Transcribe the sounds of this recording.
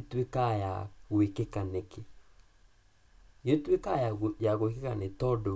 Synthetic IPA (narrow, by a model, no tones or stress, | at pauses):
twekajaɣwekekaneke | jetwekajajaɣoekekanetɔdo